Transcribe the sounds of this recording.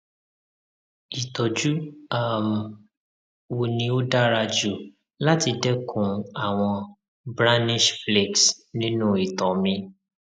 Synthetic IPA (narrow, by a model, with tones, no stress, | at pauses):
i˨tɔ˨d͡ʒu˦a˦˨m˨ | wo˨nĩ˧o˦da˦ɾa˧d͡ʒu˦˨ | la˦ti˧dɛ˦kʰũ˨a˨w̃ɔ̃˧ | bɾa˦ni˦ʃfle˨ksnĩ˦nũ˦˨i˨tɔ˨mĩ˧